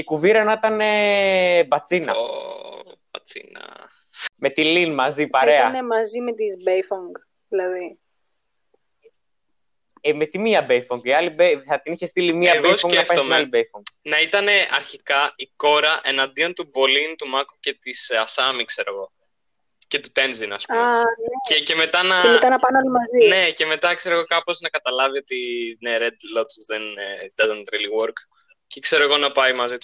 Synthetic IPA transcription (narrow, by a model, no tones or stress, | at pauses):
ikuviɾɐnɐit̪ɐne̞ | bɐt͡sinɐ̰o̰ | b̥ɐ̰t͡sḭnɐ̰ | me̞t̪ilinmɐzipɐɾeɐnemɐzimet̪izbejfoŋɡ | ðilɐði | emet̪imiɐbejfoŋɡiɐlibeθɐt̪iniçest̪ilimiɐbɣeosfoŋeɐfɐomɐlibejfoŋɡnɐit̪ɐne̞ɐɾçikɐiko̞ɾɐʔe̞nɐnd̪io̞nt̪ubo̞lint̪umɐkuce̞t̪isɐsɐmikse̞ɾo̞ɣo̞ | ce̞t̪ut̪e̞nzinɐ̰spuamneece̞me̞t̪ɐnɐemet̪ɐnɐpɐneolimɐzine̞ce̞me̞t̪ɐkse̞ɾo̞ɣo̞kɐpo̞znɐkɐt̪ɐlɐvio̞t̪ineɾe̞d̪lo̞t̪zðend̪ɐzɐnt̪ɾeliwoɾk | cekse̞ɾoeɣo̞nɐpɐimɐzit̪